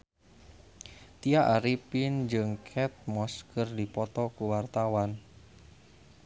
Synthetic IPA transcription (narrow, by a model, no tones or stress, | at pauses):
t̪iaʔaɾipind͡ʒɨŋkʰɛt̪̚mɔskərdipɔt̪ɔkuwart̪awan